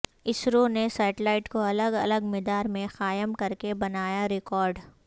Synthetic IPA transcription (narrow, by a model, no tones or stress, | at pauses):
ɪsɾonesaːʈlaːɪʈkoɐləɡɐləɡmeːd̪aːɾmẽxaːjəmkɐɾkebɐnaːjaɾɪkɔːɾɖ